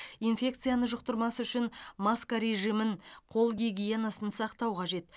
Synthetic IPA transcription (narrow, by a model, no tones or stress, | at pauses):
infʲe̞kt̪sɨjanəʒʊq̚t̪əɾmɑsəʏʃɪnmaskaɾe̞ʒijmɪɴqʰo̞lˠɡʲiɡʲije̞nasənsɑqt̪ɑwqʰɑʒe̞t̪